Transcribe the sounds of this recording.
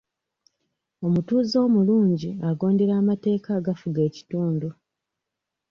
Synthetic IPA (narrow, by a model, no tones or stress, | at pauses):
o̞mutuːzo̞ːmuluːɲɟiaɡo̞ːnde̞ɾaːmate̞ːkaːɡafuɡe̞ːci̥tuːndu